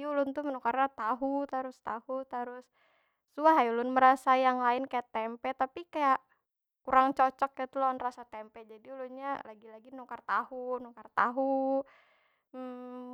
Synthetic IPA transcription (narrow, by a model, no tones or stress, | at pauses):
julʊnt̪umənɔkarnat̪aɦut̪aɾʊst̪ahut̪aɾʊsː | uaɦajulʊnməɾasajaŋlaɪnkajaʔt̪ɛmpɛt̪apikajaʔ | kuɾaŋt͡ʃot͡ʃɔk̚ːt̪ulɔnrasat̪ɛmpɛd͡ʒadiulʊnɲalaɡilaɡinɔkart̪ahunɔkart̪a̰ɦu | m̩